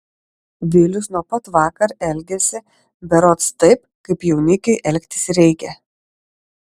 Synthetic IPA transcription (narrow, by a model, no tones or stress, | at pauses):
ʋʲɪlʲʊsnuɔpɐt̪ʋɑːkɐɾɛlʲɡʲɛsʲɪ | bʲɛɾɔt̪st̪ɐɪp̚ | kɐɪpjɛʊnʲɪkʲɛɪʔɛlʲkʲt̪ʲɪ̥sɾʲɛɪkʲɛ